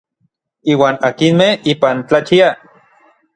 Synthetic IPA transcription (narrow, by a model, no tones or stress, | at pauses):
iːwaːnakinmehiːpant͡ɬat͡ʃia